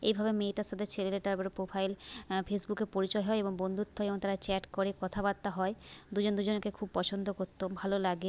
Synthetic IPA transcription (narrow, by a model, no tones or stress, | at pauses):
ejbʱabemeʈast̪ad̪ʱeɾt͡ɕʰeleleʈaɾbeɾopɾofʰajlfesbukeɾpoɾit͡ɕɔeɦɔeeboŋbond̪ʱut̪ʰːɔeboŋt̪aɾat͡ɕɛʈkoɾekɔt̪ʰabat̪ːaɦɔed̪ud͡ʑond̪ud͡ʑonkekʰub̚pɔt͡ɕʰond̪ʱokoɾt̪ːobʱalolaɡe